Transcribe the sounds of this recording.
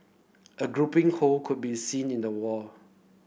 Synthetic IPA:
ʔəɡɹupĩŋholkʰud̚bisĩnĩndəwɔ

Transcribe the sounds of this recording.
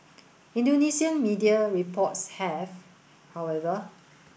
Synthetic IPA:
ĩndonisiə̃nmidiaɹipʰɔtshɛv | hawɛvə

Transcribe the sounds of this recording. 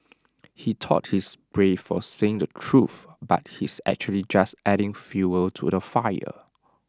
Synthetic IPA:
hitʰɔ̰t̚hisbɹefɔseɪ̃ŋdətʰɹuθba̰t̚hisæ̰k̚t͡ʃuəlid͡ʒastʔɛɾɪ̃ŋfjuəltʰṵdəfaɪə̰

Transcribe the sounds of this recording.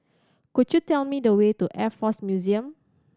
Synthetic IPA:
kudjutɛlmidəwetuʔɛfɔsmjuziə̃m

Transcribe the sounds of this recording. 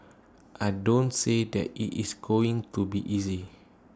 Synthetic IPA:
ʔaɪdõntsedɛ̰tḭʔisɡoĩŋtubiʔizi

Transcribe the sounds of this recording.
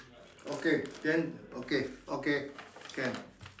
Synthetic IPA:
okekɛnokeokekɛn

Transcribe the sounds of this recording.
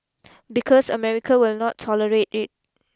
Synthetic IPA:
bikʰɔsə̰mɛɹikʰawilnɔtʰːɔləɹetit̚

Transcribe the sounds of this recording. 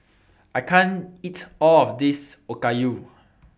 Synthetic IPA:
ʔajkʰãnitɔlɔfdisokaju

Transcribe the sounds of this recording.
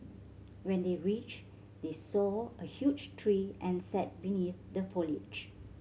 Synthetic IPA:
wɛ̃ndeɹit͡ʃ | desɔəhjud͡ʒtʰɹiʔɛ̃nsɛt̚biniθdəfɔlḭd͡ʒ

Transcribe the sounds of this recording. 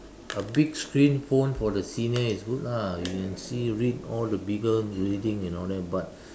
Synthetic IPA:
əbiɡskɹĩnfõnfɔdəsinəisɡutajukɛ̃nsiɹitɔldəbiɡəɹidĩŋɛ̃nɔldɛt̚bat̚

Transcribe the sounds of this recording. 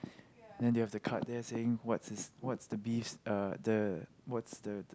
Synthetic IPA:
ndɛ̃njuhɛvdəkʰat̚d̪ɛseɪ̃ŋwɔtsɪswɔtsdəbifʌdəwɔtsdə

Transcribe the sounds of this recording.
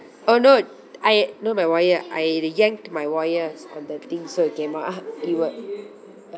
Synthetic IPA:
ono | ʔajnomajwɔjəʔa̰jɾjɛ̃ŋk̚tmajwɔjəsã̰ndɛt̪ĩŋsoikɛ̃nmɔtaɡiwət̚

